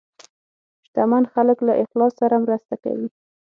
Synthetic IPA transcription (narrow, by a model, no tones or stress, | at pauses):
ʃt̪amanxaləklaʔɪxlɑsːaɾamɾast̪aka̰wi